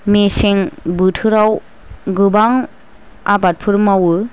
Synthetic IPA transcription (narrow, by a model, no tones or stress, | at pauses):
meseŋbɯtʰɯɾaw | ɡɯbaŋ | abat̚pʰɯɾɯmawɯ